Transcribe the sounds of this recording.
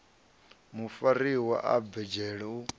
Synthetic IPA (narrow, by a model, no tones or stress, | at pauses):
mufaɾiwa̰ʔabɛd͡ʒɛɺɛu